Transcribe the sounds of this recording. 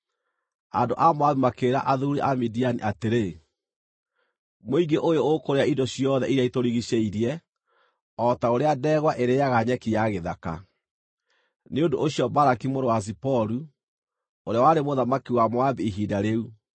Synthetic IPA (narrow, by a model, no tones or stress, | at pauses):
a̰ndoʔamwaβimakeɾaʔaðuɾiʔamidianḭʔateɾe | moiɡeʔojookoɾeaindɔɕijɔðɛiɾeaitoɾiɣiɕeiɾjɛ | ɔtaoɾeadɛɣwaʔeɾeaɣaɲɛkijaɣeðaka̰ | neondooɕiɔbaɾakimoɾowas̬ipɔɾu | oɾeawaɾemoðamakiwamwabiiɦiːdaɾeu